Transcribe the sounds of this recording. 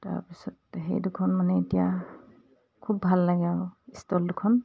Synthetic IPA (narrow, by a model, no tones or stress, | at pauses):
ta̰ɹpisɔtɦḛjdukʰɔnmanɛitija | kʰub̚bʱalːaɡɛawistɔldukʰɔn